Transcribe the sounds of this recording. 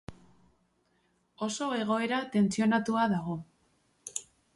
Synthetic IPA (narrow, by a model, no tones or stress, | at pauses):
o̞so̞e̞ɣ̞o̞e̞ɾat̪e̞nt͡sio̞nat̪uaðaɣ̞o̞